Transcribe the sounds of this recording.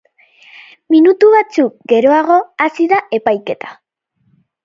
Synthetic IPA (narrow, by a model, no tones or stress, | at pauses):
minut̪uβat͡suk̚ɡe̞ɾo̞aɣo̞asiðae̞pajke̞t̪ḁ